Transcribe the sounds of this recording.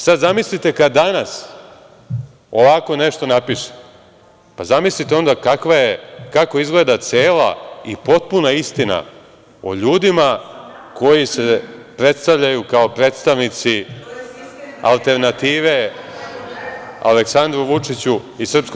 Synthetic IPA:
sad̪zamislit̪ekad̪d̪anas | o̞ʋako̞ne̞ʃt̪o̞napiʃe̥ | pazamislit̪eo̞nd̪akakʋajekako̞izɡle̞ːd̪at̪seːla̰ḭpo̞t̪̚punaist̪ina̰ | o̰ʎuːd̪ima | ko̞jise̞pɾe̞t̪st̪aʋʎajukaopɾe̞ːt̪st̪aʋnit̪si | a̰lˠt̪e̞ɾnat̪iːʋe̞ | a̰leksand̪ɾuʋut͡ʂit͡ɕuisr̩psko

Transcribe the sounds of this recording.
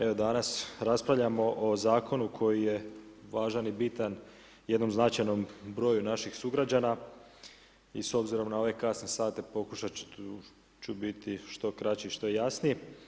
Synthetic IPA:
e̞ʋo̞d̪anasɾaspɾaʋʎamo̞ʔozaːkʰo̞nukʰo̞jije̞ʋaːʒanibit̪an | je̞d̪no̞mznat͡ʃajnombɾo̞ːjunaʃixsuɡɾad͡ʑana | iso̞bziɾo̞mnao̞ʋe̞kasne̞saːt̪e̞po̞kuʃa | t͡ʃubit̪iʃt̪o̞kɾat͡ɕiiʃt̪o̞jejasnije

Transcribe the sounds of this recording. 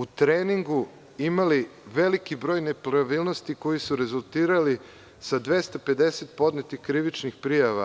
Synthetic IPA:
ut̪ɾeniŋɡu | imaliʋe̞likibɾo̞jne̞pɾaʋilˠno̞st̪iko̞jisuɾe̞zulˠt̪iːɾali | sad̪ʋe̞st̪ape̞d̪e̞set̪̚po̞d̪net̪ixkɾiʋit͡ʃnixpɾijaʋa̰

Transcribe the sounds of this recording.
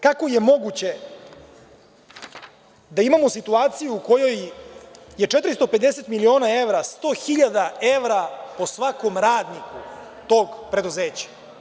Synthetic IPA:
kako̞je̞mo̞ɡut͡ɕe̞ | d̪aimamo̞sit̪uaːt̪sijuuko̞jo̞j | je̞t͡ʂet̪ɾist̪ope̞d̪e̞se̞t̪milio̞ːnae̞ʋɾast̪o̞ːxiʎad̪aeʋɾapo̞sʋako̞mɾaːd̪niku | t̪o̞ːɡpɾe̞d̪uzeːt͡ɕḁ

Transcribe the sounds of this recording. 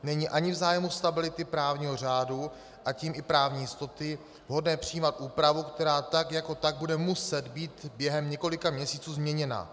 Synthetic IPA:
nɛɲiːʔaɲɪvzaːjɛmust̪abɪlɪt̪ɪpɾaːvɲiːɦo̞r̝aːdu | ʔaciːmʔɪpɾaːvɲiːjɪst̪o̞t̪ɪ | vɦo̞dnɛːpr̝̥ɪjiːmat̪ʔuːpɾavukt̪ɛɾaːt̪akjako̞t̪aɡ̚budɛmusɛd̪biːt̪bjɛɦɛmɲɛko̞lɪkamɲɛsiːt͡suːzmɲɛɲɛna̰

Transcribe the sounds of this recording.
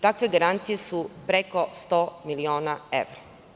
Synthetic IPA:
t̪akʋe̞ɡaɾant̪sijesupɾeko̞st̪o̞ːmilioːnaḛʋɾa

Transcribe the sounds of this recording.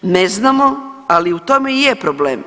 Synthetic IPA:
neznamoaliut̪o̞mejepɾoblḛːm

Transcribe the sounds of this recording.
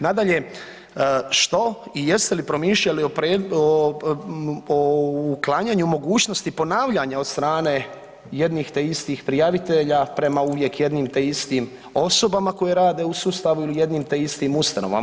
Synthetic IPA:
nad̪aʎe̞ | ʃt̪o̞ije̞st̪e̞lipɾo̞miːʃʎaliopɾeo | klˠaɲaɲumo̞ɡuːt͡ɕno̞st̪ipo̞naːʋʎaɲaost̪ɾaːne | je̞d̪nixt̪eist̪iːxpɾijaʋit̪e̞ʎapɾe̞mauʋje̞kje̞d̪nimt̪eist̪im | o̞so̞bamako̞je̞ɾaːd̪e̞usuːst̪aʋuilije̞d̪niːmt̪eist̪iːmust̪ano̞ʋa̰m

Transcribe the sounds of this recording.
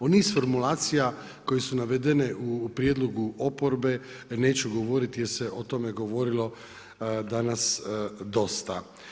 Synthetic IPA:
onisfo̞ɾmulaːt̪sija | ko̞jesunaʋed̪eneʔupɾjed̪lˠoɡuo̞po̞ɾbe̞ | ne̞ːt͡ʃuɡo̞ʋo̞ɾit̪jeseʔot̪o̞meɡo̞ʋo̞ɾilo̞ | d̪anasd̪o̞st̪a

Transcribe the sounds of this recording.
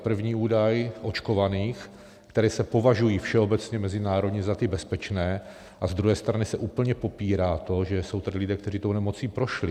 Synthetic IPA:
pr̩vɲiːuːdajʔo̞t͡ʃko̞vaniːx | kt̪ɛɾɛːsɛpo̞vaʒujiːfʃɛo̞bɛt͡sɲɛmɛzɪnaːɾo̞dɲɛzat̪ɪbɛspɛt͡ʃnɛː | ʔazd̪ɾuɦɛːst̪ɾanɪsɛʔuːpl̩ɲɛpo̞piːɾaːt̪o̞ʒɛso̞wt̪adɪlɪdɛːkt̪ɛr̝iːt̪ownɛmo̞t͡siːpɾo̞ʃlɪ

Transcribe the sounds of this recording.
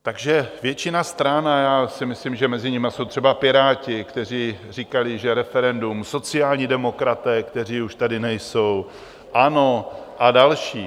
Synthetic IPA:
t̪aɡʒɛvjɛt͡ʃɪnast̪ɾanajaːsɪmɪslimʒɛmɛzɪɲɪmaso̞wt̪r̥ɛbapɪɾaːcɪkt̪ɛr̝iːr̝iːkalɪʒɛɾɛfɛɾɛndumso̞t͡sɪjaːlɲiːdɛmo̞kɾat̪ɛːkt̪ɛr̝iːuʃt̪adɪnɛjso̞w | ʔano̞ʔadalʃiː

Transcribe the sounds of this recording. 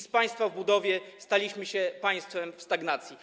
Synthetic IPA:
spaj̃st̪favbud̪ɔvʲjɛst̪alʲiɕmɘɕɛpaj̃st̪fɛmfst̪aɡnat̪sʲji

